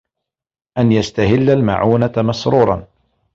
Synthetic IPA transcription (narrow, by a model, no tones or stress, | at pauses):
ʔanjast̪ahɪlːalma̰ʕuːnamɑsɾuːɾˤɑ̰n